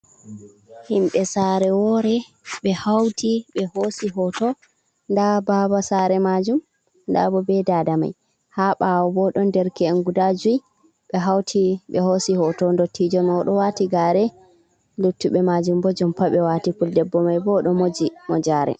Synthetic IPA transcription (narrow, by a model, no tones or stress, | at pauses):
himɓɛsaɾɛwɔɾɛ | ɓɛhawtiɓɛhosiɦɔtɔ | ndababasaɾɛmad͡ʒum | nda̰bɔbɛdadama̰j | haɓawɔbɔɗɔndɛɾkɛɛnɡudad͡ʒuj | ɓɛɦawtʰiɓɛhosihɔtɔndotʰːid͡ʒɔmɔɗɔwatiɡaːɾɛ | lutːuɓɛmad͡ʒumbɔd͡ʒɔmpaɓɛwatipuldɛbːɔmajbɔɗɔmod͡ʒimɔd͡ʒaːɾɛ̰